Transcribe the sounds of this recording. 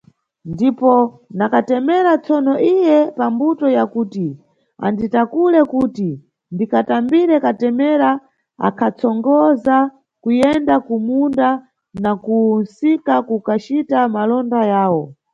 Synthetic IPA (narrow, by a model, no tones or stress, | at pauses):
ndipɔ | nakatɛmɛɾat͡sɔnɔʔijɛpambutɔjakuːti | a̰nditakulɛkuti | ndikatambiɾɛkatɛmɛɾa | a̰kʰat͡sʰɔŋɡɔza | kujɛndakumunda | nakunsikakukat͡ʃitamalɔndajaːwɔ